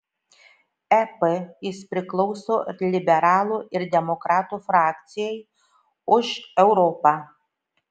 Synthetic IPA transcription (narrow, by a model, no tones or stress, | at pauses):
ɛpɛjɪspʲɾʲɪklˠɔʊsoːlʲɪbʲɛɾɑːlˠuːɪɾd̪ʲɛmɔkɾɑːt̪uːfɾɑːkt̪sʲɪjɛɪ | ʊʃɛʊɾɔːpɑ